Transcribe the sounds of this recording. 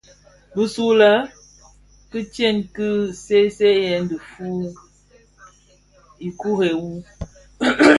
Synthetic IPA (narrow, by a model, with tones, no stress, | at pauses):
bə˦su˦lə˦ | kɨ˦t͡ʃje˦˨nkɨ˦se˦se˦jɛ˨˦ndə˨fu˦ | i˨ku˦ɦe˨wu˦